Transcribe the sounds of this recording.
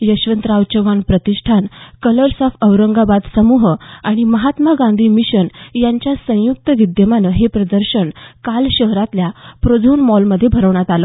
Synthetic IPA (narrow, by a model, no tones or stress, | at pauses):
jəɕʋənt̪ɾawt͡ɕəʋanpɾət̪iʂʈʰankələɾsafəʋɾəŋɡabad̪səmuɦaɽ̃iməɦat̪maɡãnd̪ʱiːmiɕənjaɲt͡ɕjasə̃juk̚t̪əʋid̪jəmanəɦepɾəd̪əɾɕəɳkalɕəɦɾat̪ljapɾod͡zʱunmɔlməd̪ʱːjebʱəɾəʋɳjat̪alə